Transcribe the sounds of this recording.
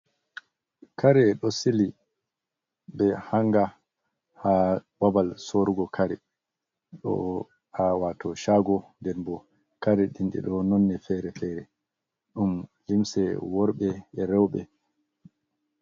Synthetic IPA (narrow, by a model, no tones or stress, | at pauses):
kaɾɛɗɔsili | bɛhaŋɡa | hawabalsoɾuɡɔkʰaɾɛ | ɗɔ̰ | awatɔʃaɡɔndɛnbɔ | kaɾɛɗinɗḭɗɔnɔnːɛfɛɾɛfɛɾɛ | ɗumlimsɛwɔɾɓɛːɾɛwɓɛ̰